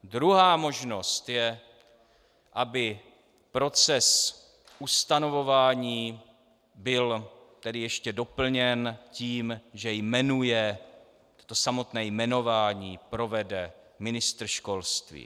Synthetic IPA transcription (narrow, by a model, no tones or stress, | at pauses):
d̪ɾuɦaːmo̞ʒno̞st̪jɛ | ʔabɪ | pɾo̞t͡sɛs | ʔust̪ano̞vo̞vaːɲiː | bɪlt̪ɛdɪjɛʃcɛdo̞pl̩ɲɛnciːmʒɛjmɛnujɛ | t̪o̥t̪o̞samo̞t̪nɛːjmɛno̞vaːɲiːpɾo̞vɛdɛ | mɪnɪst̪r̩ʃko̞lst̪vḭː